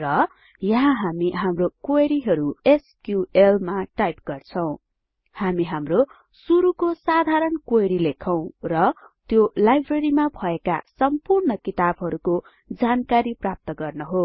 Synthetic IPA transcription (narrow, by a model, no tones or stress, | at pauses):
rʌ | jʌɦãɦamiɦamrokoeɾiɦʌɾueskjuelmaʈajpɡ̥ʌrt͡sʰʌw̃ | hamiɦamro | suɾukosad̪ʱaɾʌnkojɾilekʰʌw̃rʌt̪jolajbʱreɾimabʱʌeka̰sʌmpurnʌkit̪abɦʌɾuko | d͡zankaɾiprap̚t̪ʌɡʌrnʌɦo